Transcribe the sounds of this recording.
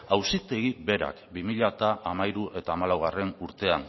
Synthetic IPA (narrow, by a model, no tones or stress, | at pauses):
awsit̪e̞ɣibe̞ɾa̰kbimiʎat̪aʔamajɾuʔe̞t̪aːmalawɣare̞nuɾt̪e̞an